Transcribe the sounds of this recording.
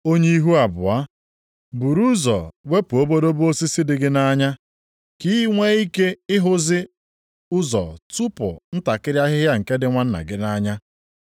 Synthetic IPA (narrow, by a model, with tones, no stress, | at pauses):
o˦ɲe˦i˦ɦu˦a˨bʊ̰˨a˦ | bu˨ɾu˦zɔ̰˨we˦pu˨o˦bo˦do˦bu˦o˦si˦si˦dɪ˨ɡɪ˦na˦ɲa˦ | ki˦ŋʷe˦i˦ke˦ɪ˦ɦʊ˦zɪ˦ | ʊ˦zɔ̰˨tu˦pʊ̰˨n̩˦ta˨kɪ˦ɾja˦ɦɪ˦a˦ŋ̩˨ke˦dɪ˦ŋʷa˦n̩˦na̰˨ɡɪ˦na˦ɲa˦